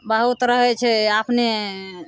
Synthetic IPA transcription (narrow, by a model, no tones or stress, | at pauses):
bəɦut̪ɾəɦɛt͡ʃʰɛapne